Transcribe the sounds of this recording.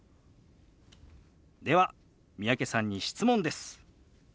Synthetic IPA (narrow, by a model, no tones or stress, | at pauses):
d̪e̞βa | mʲijake̞sãɲ̟ːiɕi̥t͡sɨmõ̞nd̪e̞sɨ̥